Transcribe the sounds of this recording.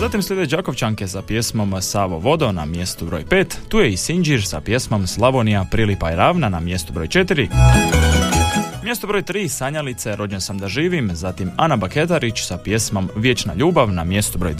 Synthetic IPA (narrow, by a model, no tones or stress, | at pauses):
zat̪imsʎʲe̞d̪ed͡ʒako̞ʋt͡ʃaŋke̞sapje̞smo̞msaːʋoʋo̞d̪o̞na̰mje̞st̪ubɾo̞̰ːjpeːt̪ːuːjeisiɲd͡ʒiɾsapje̞smo̞mslˠaʋonijapɾilipaiɾaːʋnanamje̞st̪ubɾo̞̰ːjt͡ʃe̞t̪iɾi | mje̞st̪obɾo̞jt̪ɾiːsaɲalit̪seɾo̞d͡ʑensamd̪aʒiːʋimzat̪imanabake̞t̪aɾit͡ʃsapje̞smo̞mʋjet͡ʃna̰ʎuːbaʋnamje̞st̪ubɾo̞jd̪